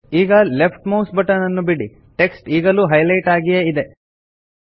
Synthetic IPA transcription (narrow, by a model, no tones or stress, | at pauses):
iːɡɐlepʰʈmɐwsbɐʈɐnɐnːubiɽi | ʈe̞ksʈiːɡɐluɦɐjlɐjʈaːɡijeid̪e